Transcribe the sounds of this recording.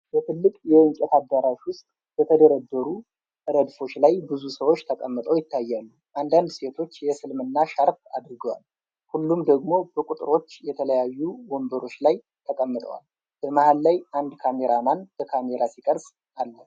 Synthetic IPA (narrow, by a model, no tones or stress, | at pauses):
bət̪ʰɨlːɨkʼjɛwɨnt͡ʃʼɛt̪ad̪ːaɾaʃwʊst̪ʼ | b̥ət̪ʰəd̪əɾəd̪ːəɾu | ʔɨɾəd̪fo̞t͡ʃːlajbɨzusəwo̞t͡ʃːt̪ʰəkʼəmːɨt̪ʼəwjɪt̪ʰːajːalːu | ʔand̪and̪se̞t̪ʰo̞t͡ʃːjɛsɨlmɨnːaʃaɾfa̰d̪ɾɡəwa̰l | hulːumd̪əɡmo̞bəkʼut̪ʼɾo̞t͡ʃːjɛt̪ʰələjajːuwɔmbəɾo̞t͡ʃːlaj | t̪ʰəkʼəmːɨt̪ʼə̰wa̰l | b̥əmaʔalːajʔand̪kʰame̞ɾamanb̥əkʰame̞ɾasikʼəɾs | ʔalːə